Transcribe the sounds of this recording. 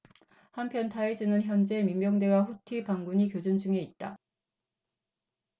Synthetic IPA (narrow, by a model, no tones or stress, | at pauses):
hampʰjʌntaed͡ʑɯnɯnçjʌnd͡ʑe̞mimːjʌŋde̞waɸutʰipaŋɡuɲikjod͡ʑund͡ʑuŋe̞it̚t͈a